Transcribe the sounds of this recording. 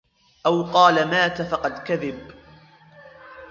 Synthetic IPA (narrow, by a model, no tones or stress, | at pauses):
ʔawqɑːlamaːt̪afɑqɑd̪kaðɪb